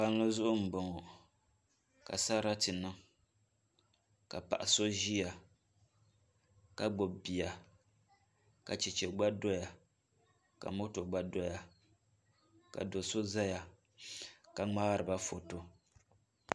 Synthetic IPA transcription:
pa˦n˦lo˦zʊ˦ʔʊ˦m̩˨bɔ˨ŋɔ˨ | ka̰˨sa˦ɾa˦tɨ˨nɨ˦ŋ | ka˨pa̰˨ʔa˨so˦ʒi˦ja˨ | ka˦ɡ͡bo˨bi˨a˨ | ka˨t͡ʃɛ˨t͡ʃɛ˨ɡ͡ba˦do˦ja˨ | ka̰˨mo˦to˨ɡ͡ba˦do˦ja˨ | ka̰˨do˨so˦za˦ja˨ | ka˨ŋ͡ma˦ɾɨ˨ba˦fo˨to˦

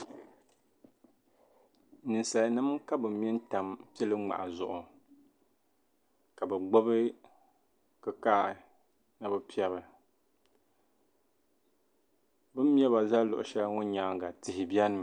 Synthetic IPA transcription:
nɨ˨nsa˨nɨ˦mka˦bɨ˨mː˦jɛ˦n˦ta˨mpi˦ɛ˦lɨ˦ŋ͡ma̰˨ʔa˨zʊ˨ʔʊ˨ | ka˨bɛ˨ɡ͡bo˦bɨ˦ | kɨ˦ka˦˨ | nɨ˦bɨ˦pi˦ɛ˦bɨ˨ | bɨ˦m˦ɛ˦ba˨za˦lʊ˨ʔʊ˨ʃɛ˦ŋo˦ɲaː˦ŋɡa˨tɪ˨hɪ˨bjɛ˦nɨ˨m

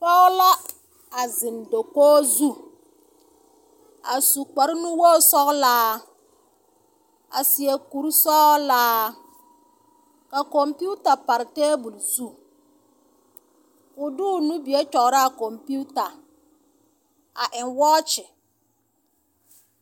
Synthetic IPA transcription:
pa˦la˦ | a˨zɪ˨ndo˨koː˦zu˦ | a˨su˨k͡pa˨ɾɪ˦nu˦wɔː˦˨sɔ˦ɣlaː˦ | a̰˨si˨e˨ku˨ɾsɔː˦laː˦ | ka˨kɔ˨mpu˦ta˨pa˨ɾɪ˨teː˦bʊ˨lzu˦˨ | ʊ˨dʊ˦˨nu˦bi˨e˦t͡ʃɔ˨ɣɾɪ˦a˨kɔ˨mpi˦u˦ta˨ | a˨ʔɪ˨nwɔː˦t͡ʃɪ˨

